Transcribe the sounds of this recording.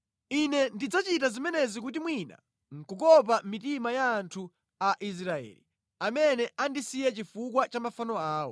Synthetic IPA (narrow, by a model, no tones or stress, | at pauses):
inɛndid͡zat͡ʃit̬azimɛnɛzik̬utimwina̰ | ŋ̩kukɔp̬amitimajaːntʰu | aʔis̬ɾaɛ̰ːli | amɛnɛandisijɛt͡ʃifukwat͡ʃamafanɔaːwɔ̰